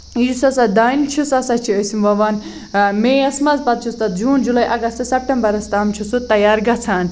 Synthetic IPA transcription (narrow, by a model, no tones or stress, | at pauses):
usɐsɐd̪aːint͡ʃʰusɐsɐt͡ʃʰiɐsimʋɐʋaːn | meːɐsmɐzpɐt̪̚t͡ʃʰust̪ɐt̪̚d͡ʒuːnd͡ʒulɐjʔɐɡɐst̪sɐp̚ʈɐmbɐɾɐst̪aːmt͡ʃʰusut̪ːɐjaːɾɡɐt͡sʰaːn